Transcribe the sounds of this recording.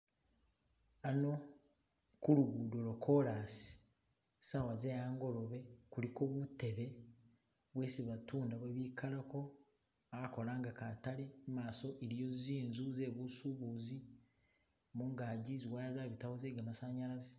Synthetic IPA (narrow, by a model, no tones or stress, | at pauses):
ano̞ | kuɾuɡuːdolo̞kʰo̞ɾaːsi̥ | sawazejaːŋɡo̞lo̞βe̞kuliko̞ːβute̞βe̞ | βwe̞ːsiβatuːndaβweβikʰalako̞ | aako̞laːŋɡakatale̞maːso̞ʔiɾijo̞ziziːnzuze̞βusuβuːzi | muŋɡaːɟiziwaːjazaβitawo̞zeːɡamasaɲaɾaze